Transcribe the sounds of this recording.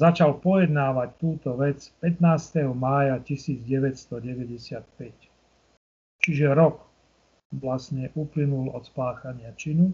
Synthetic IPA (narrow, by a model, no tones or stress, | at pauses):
zat͡ʃalpɔjɛd̪naːʋact̪uːt̪ɔʋɛt͡spɛt̪naːst̪ɛɦɔmaːjacisiːd͡zɟɛʋɛcst̪ɔɟɛʋɛɟɛsɪat̪pɛc | t͡ʃiʒɛɾɔk | ʋlasɲɛʔuplinulɔ̰t̪spaːxaɲɪat͡ʃinu